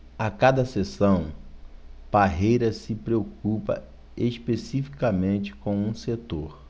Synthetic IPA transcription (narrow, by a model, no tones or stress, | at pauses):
akad̪ɐsesɐ̃w̃ | b̥aɦejɾɐsɪpɾeokupɐ̰ | eʃpesifi̥kamẽnt͡ʃɪ̥kõw̃ũset̪oɾ